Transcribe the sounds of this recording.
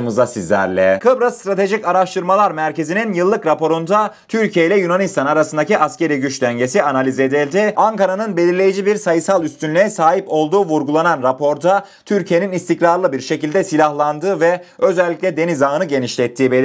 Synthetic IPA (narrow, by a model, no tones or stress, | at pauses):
mɯzasizlʲæ̰ɾlʲɛ̰kʰɯbɾast̪ɾat̪ʰe̞ʒicaɾaʃt̪ʰɯɾmalˠaɾmæɾcʰe̞zininjɯlˠːɯkɾapo̞ɾund̪a | t̪ʰyɾcʰijejlʲɛjunanist̪ʰanaɾasɯnd̪aciʔasce̞ɾijɟyt͡ʃlʲæɲɟe̞sianalʲize̞d̪ilʲd̪ɪaŋkaɾanɯnbe̞lʲiɾlʲe̞jid͡ʒibiɾsajɯsalˠyst̪ʰynlʲɛɛsaːɦipo̞lˠd̪uːvuɾɡulˠananɾapʰo̞ɾd̪a | t̪ʰyɾcʰije̞ninist̪icɾaɾlˠɯbiɾʃe̞cilʲd̪ɛsilʲahlˠand̪ɯːvɛø̞zɛlʲːicʲlʲɛd̪e̞nizaɯnɯɟe̞niʃlʲɛt̪ʰːiːbe